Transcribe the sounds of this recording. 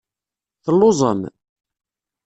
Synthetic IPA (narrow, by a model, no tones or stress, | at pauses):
θəlːozˤə̰m